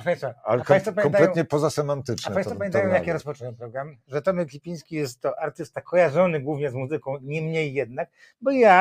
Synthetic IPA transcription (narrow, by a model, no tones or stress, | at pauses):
ʂɛ̃j̃st̪faa̰lɛapkãɲjst̪fɔpamʲjɛɔmp̪t̪alɛtɔ̃ɲɛpɔzasɛmant̪ɘt͡ʂnaɛajsfɔpamjɛ̃najɔ̃wjakjɛɾɔspɔtɛɲɛpɾɔɡɾamʐɛt̪ɔmɛklʲipʲĩj̃skʲijɛst̪ːɔʔaɾt̪ɘst̪akʰɔjaʐɔnɘɡwuvɲɛzmuzɘkɔ̃w̃ɲɛmɲejːɛd̪̚nak̚ | bɔja